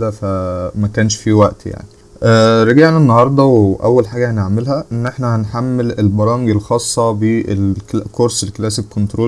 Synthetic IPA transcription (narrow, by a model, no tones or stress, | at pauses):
d̪æfæmækæːnʃfiwæʔt̪ja̰ʕni | ʔæːɾɑɡeʕnænːɑhɑɾˤd̪ˤɑweʔæ̰wːælħaːɡæneʕmelhæʔenːʔeħnæhænħamːelelbɑɾˤɑːmeɡelxɑːsˤːɑbeʔelklækoɾselklæːsekːont̪ɾoː